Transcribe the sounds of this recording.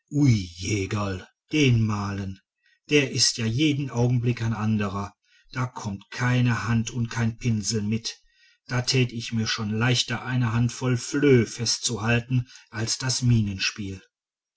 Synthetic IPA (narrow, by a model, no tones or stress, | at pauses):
ʔujeːɡal | d̥eːnmaːlən | d̥eːɐʔɪstjaːjeːdn̩ʔaʊɡŋ̩blɪkaɪnʔandəʁ̞ɐ | d̥aːkʰɔmtkʰaɪnəhantʰʊntkʰaɪnpʰɪnzl̩mɪt | d̥aːtʰɛːtəɪçmiːɐʃoːnlaɪçtɐʔaɪnəɦantfɔlfløːfɛstt͡suhaltn̩ʔalsd̥asmiːnənʃpiːl